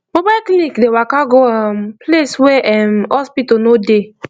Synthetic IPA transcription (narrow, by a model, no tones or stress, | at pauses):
mobaklinikdewakaɡoampleswɛʔmɔspitonode